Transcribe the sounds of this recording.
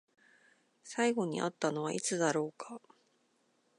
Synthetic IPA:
saiɡo̞ɲ̟ḭʔa̰t̪ːano̞βaʔit͡sɨd̪aɾo̞ːkʰḁ

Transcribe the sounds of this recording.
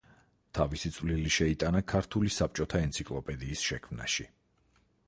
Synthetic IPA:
t̪ʰavisit̪sʼvliliʃɛit̪ʼanakʰaɾt̪ʰulisap̚t͡ʃʼɔt̪ʰaɛnt̪sʰikʼlˠɔpʼɛd̪iːsʃɛkʰmna̰ʃi

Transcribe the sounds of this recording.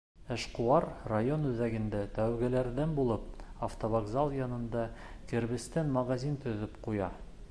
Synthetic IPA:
ɘ̆ʃquɑɾrajonʉðæɡɘ̆nd̪æt̪æwɡælæɾðænbulˠɤp̚ɐft̪ovɐɡzalˠjɑnɤ̆nd̪ɑkɘ̆ɾβɘ̆st̪ænmɐɣazʲint̪ɵ̆ðɘpqujɑ

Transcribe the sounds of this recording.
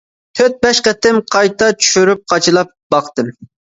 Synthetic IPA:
t̪ʰøt̪̚bɛʃqɛt̪ɪmqʰɑjt̪ɑt͡ʃʰy̥ʃyɾyp̚qʰɑt͡ʃʰɨlˠɑp̚b̥ɑqt̪ɨm

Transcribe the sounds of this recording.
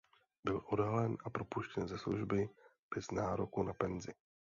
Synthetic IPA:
bɪlʔo̞dɦalɛnʔapɾo̞puʃcɛnzɛslṵʒbɪb̥ɛznaːɾokunapɛnzɪ

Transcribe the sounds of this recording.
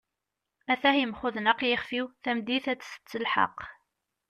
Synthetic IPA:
æθæhjəmχʊðnəqjɪχfiwθæmd̪iθæt͡sːsə̥t͡sːəlħɑ̰q

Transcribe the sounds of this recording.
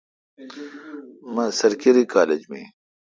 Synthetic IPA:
mɐsɐɾkiɾikaːled͡ʑmḛ̃ː

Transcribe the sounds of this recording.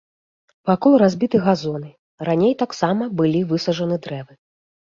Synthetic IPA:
pakɔlˠɾazʲbʲit̪ɨɣazɔnɨ | ranʲejt̪aksamɐbɨlʲivɨsɐʐɐnɨd̪ɾɛvɨ

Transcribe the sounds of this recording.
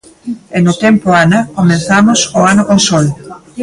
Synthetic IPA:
enʊt̪ɛmpoanɐkomẽnθamʊsoanʊkonsol

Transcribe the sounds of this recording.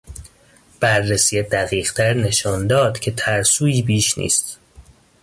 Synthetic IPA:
b̥æɾːesiːjed̪æɣiːɣt̪ʰæɾne̞ʃɒːnd̪ɒːd̪̥cʰe̞t̪ʰæɾsuːiːbiːʃnḭːst̪

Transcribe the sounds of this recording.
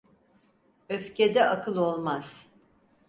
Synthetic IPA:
øfced̪ɛʔakʰɯlˠo̞lˠmaz̥

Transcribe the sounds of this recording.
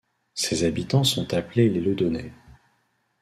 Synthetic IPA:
sezabit̪ɑ̃sɔ̃t̪aplelelød̪ɔne

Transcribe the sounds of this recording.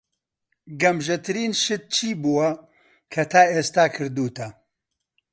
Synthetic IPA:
ɡɐmʒɛt̪ɨɾiːnʃɨt̪̚t͡ʃʰiːbuwɐ | kʰɐt̪ʰaːeːst̪aːkʰɨɾd̪uːt̪ʰɐ

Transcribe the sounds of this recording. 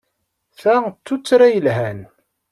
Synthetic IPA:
θæt͡sːut͡sːɾajəlɦæn

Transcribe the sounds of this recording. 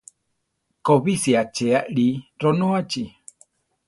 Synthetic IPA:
koβisiat͡ʃeaʔɺiɾonoat͡ʃi

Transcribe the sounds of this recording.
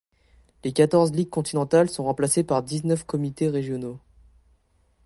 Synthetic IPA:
lekat̪ɔʁzliɡ̚kɔ̃t̪inɑ̃t̪alsɔ̃ʁɑ̃plasepaʁd̪iznœfkɔmit̪eʁeʒjɔno

